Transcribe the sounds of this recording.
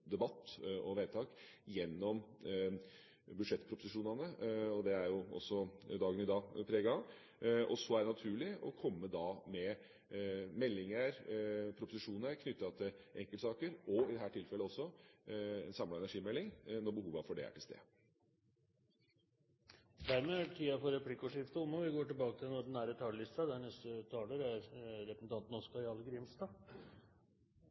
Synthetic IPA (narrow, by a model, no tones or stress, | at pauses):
d̪ɛbɑt̪ːʔɔʋeːt̪ʰɑːkjɛnːɔm | bʉd̪ʂɛt̪ːpʰɾʊpʊsɪʂuːnɑnəɔd̪ɛæɾjʊɔ̰sːɔd̪ɑːɡənɪd̪ɑːpʰɾeːɡɑ | ʔɔsɔæɖɛnɑt̪ʰʉːɭɪɔ̰kʰɔmːəd̪ɑmɛ | mɛlːɪŋəɾpʰɾʊpʊsɪʂuːnəɾkʰnʏt̪ːɑt̪ʰɪlʔɛŋkələsɑːkəɾɔɪd̪ɛɦæːʈʰɪlfɛlːəɔsːɔ | ɛnsɑmlɑɛnæʂiːmɛlːɪŋnɔɾbəhuːʋɑfɔɖɛ̰æ̰ʈʰɪlst̪ḛː | d̪æɾmeːæʈʰiːɑfɔɾɛpʰlɪkːʊʂɪft̪əʊmːəʋɪɡoːʈɪlbɑːkət̪ʰɪlnɔɖɛnæːɾət̪ʰɑːllɪst̪ɑd̪ɛænɛst̪ət̪ʰɑːləɾæɾɾɛpəsn̩t̪ʰɑnt̪n̩ɔskɑjɑlɡɾɪmst̪ɑ